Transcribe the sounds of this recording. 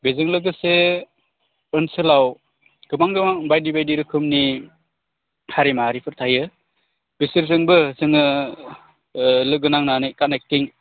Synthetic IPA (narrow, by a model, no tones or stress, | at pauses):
bezɯŋlɯɡɯse | ɯnsɯlaw | ɡ̥ɯmaŋɡɯmaŋbajdibajdiɾɯkʰɯmni | haɾimaɦaɾipʰɯɾtʰajɯ | b̥isiɾzɯŋbɯsɯŋɯ | lɯɡɯnaŋnanekanek̚tiŋ